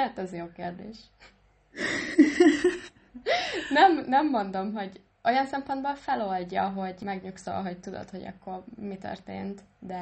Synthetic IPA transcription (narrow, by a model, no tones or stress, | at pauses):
at̪ɛzjoːkeːrd̪eːʃ | nɛmnɛmːo̞nd̪o̞mɦo̞ɟ | o̞jɒnsɛmpo̞nd̪bolfɛlo̞lɟɒɦo̞ɟmɛɡɲukso̰lɦo̞c̚t̪ud̪o̰t̪ho̞ɟɒ̰kːo̞rmit̪ø̰rt̪ḛːnt̪d̪ɛ